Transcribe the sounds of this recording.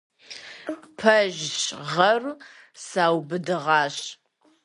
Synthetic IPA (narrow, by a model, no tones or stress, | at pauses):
pʰɐʒɕʁɐr | saːwbɨdɨʁɑːɕ